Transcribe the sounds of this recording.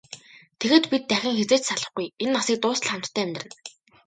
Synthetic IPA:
t̪ʰeɣeːt̪pit̪ːæxʲɪ̆ŋxet͡seːt͡ɕsaɮə̆χɡujenːasiːk̚t̪ʊːsə̆ɮχam̥t̪ːʰæːæmʲt̪̆rɘ̆n

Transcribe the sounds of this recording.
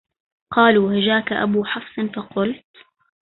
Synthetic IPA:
qɑːluːhad͡ʒaːkaʔa̰buːħɑfsˤɨnfɑqʊlt̪

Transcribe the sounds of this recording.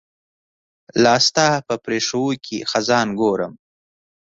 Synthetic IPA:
lɑːst̪ɑpəpɾeːʂəwukʰḭxazɑːnɡoːɾəm

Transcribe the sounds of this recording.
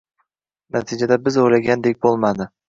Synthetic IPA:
nʔat̪ʰid͡ʒad̪abɪzojlaɡʲand̪ek̚ʲbolˠmad̪ɪ

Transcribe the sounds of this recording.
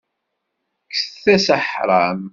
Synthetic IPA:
kːsθæsaħɾˤɑm

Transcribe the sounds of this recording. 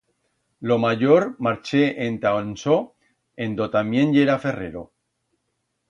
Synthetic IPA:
lo̞maʝo̞ɾmaɾt͡ʃe̞ʔent̪aonso | end̪o̞t̪amje̞nʝe̞ɾafe̞re̞̰ɾo̞

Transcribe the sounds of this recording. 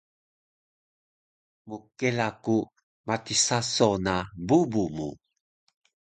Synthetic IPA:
mukelaku | matisasonabubumu

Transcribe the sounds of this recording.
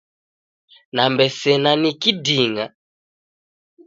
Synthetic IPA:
nambɛsɛnanikidiŋa

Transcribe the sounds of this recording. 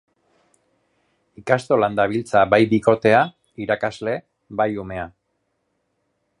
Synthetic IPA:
ikast̪o̞land̪aβ̞ilt͡sabajbiko̞t̪e̞a | iɾakazle̞ | bajume̞a

